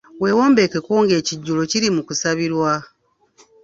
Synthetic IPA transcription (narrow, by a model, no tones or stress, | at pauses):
we̞ːwoːmbe̞ke̞ko̞ːŋɡe̞ːciɟːulo̞ciɾimukusaβiɾwa